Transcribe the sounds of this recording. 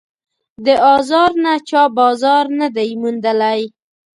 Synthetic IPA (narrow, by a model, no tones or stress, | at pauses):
d̪əʔɑzɑɾnat͡ʃɑbɑzɑɾnad̪ajmund̪əlaj